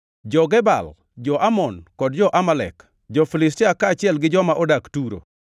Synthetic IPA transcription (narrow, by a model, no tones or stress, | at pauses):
d͡ʒɔɡɛba̰l | d͡ʒɔʔamɔnkɔdd͡ʒɔʔamalɛ̰k | d͡ʒɔfilɪstiakat͡ʃɪɛlɡɪd͡ʒɔmaʔɔdaktuɾo̰